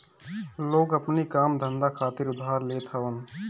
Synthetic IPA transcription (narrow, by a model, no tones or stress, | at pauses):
loːɡɐpnikaːmd̪ʱə̃nd̪akʰaːt̪ɪɾʊd̪ʱaːɾleːt̪ʰaːʋən